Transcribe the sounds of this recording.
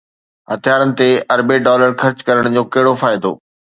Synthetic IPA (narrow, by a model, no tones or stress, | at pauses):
ɦɐt̪ijaːɾənɪ̆t̪eɐɾbeɖɔːləɾxɐɾt͡ɕkɐɾəɽ̃d͡ʑõːkɐɦɪɽofaːɪd̪o̰ː